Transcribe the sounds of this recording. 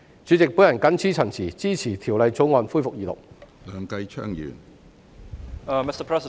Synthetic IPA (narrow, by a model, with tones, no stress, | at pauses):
t͡ʃy˨˥t͡sɪ˨k̚puː˨˥jɐ˨˩nkɐ˨˥nt͡sʰiː˥t͡sʰɐ˨˩nt͡sʰiː˨˩t͡siː˥t͡sʰiː˨˩t̪ʰiː˨˩wlɐ˨˧jt͡so˨˥wŋɔː˧nfuː˥jfʊ˨k̚jiː˨˧t̪ʊ̰˨˩k̚ | lœː˨˧ŋkɐ˧jt͡ʃʰœ̰ː˥ŋjy̰ː˨˩n | mɪstəpʰɹ̥ɛsɪ